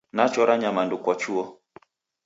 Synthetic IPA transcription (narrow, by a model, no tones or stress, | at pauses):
nat͡ʃɔɾaɲamandukwɔt͡ʃuɔ